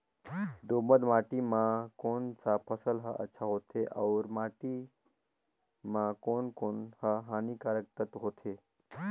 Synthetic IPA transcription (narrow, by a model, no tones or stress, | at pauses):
d̪oməd̪maʈimãkoːnsapʰəsəlɦəʔə̰tːʃʰaɦoːt̪ʰeʔaʊɾmaːʈi | mãkoːnkoːnhəɦanikaɾək̚t̪ət̪ɦoːt̪ʰe